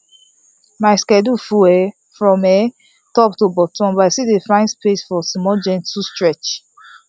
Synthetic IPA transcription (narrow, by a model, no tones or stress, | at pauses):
maɪskɛdufuɛ | fɹɔ̃mɛ | tɔptobɔtʰɔ̃nbaɪsidefãɪ̃nspesfɔsmɔd͡ʒɛ̃ntustɹɛt͡ʃ